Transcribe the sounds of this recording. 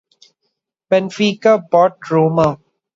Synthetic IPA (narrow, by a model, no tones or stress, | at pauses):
pɛ̃nfiːkapɔːʈɾoːma